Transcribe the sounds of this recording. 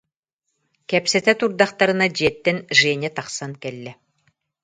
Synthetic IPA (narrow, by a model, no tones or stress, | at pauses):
kɛpsɛt̪ɛt̪uɾd̪aχt̪aɾɯ̆nad͡ʑiɛt̪ːɛnʒɛɛnʲɛt̪ɑχsankɛlːɛ